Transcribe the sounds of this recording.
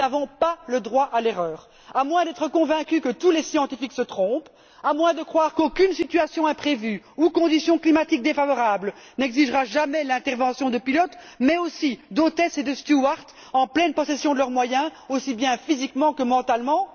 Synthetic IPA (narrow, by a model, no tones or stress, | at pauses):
avɔ̃paləd̪ʁwaʔaleʁœːʁ | amwɛ̃d̪ɛt̪χəkɔ̃vɛ̃kʲykət̪ulesjɑ̃t̪ifiksət̪χɔ̃p | amwɛ̃d̪əkχwaːʁkokʲynsit̪yasjɔ̃ɛ̃pχevyukɔ̃d̪isjɔ̃klimat̪ik̚d̪efavɔʁablnɛɡziʒʁaʒamɛlɛ̃t̪ɛʁvɑ̃sjɔ̃d̪əpilɔt̪ | mɛosid̪ot̪ɛsed̪əst̪juaʁt̪ | ɑ̃plɛnpɔsɛsjɔ̃d̪əlœʁmwajɛ̃osibjɛ̃fizikmɑ̃kəmɑ̃t̪almɑ̃